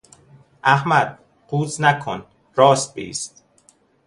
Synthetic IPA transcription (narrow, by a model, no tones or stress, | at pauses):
ʔæhmæd̪̥̚ | quːznækʰon | ɾɒːst̪̚bḛḭːst̪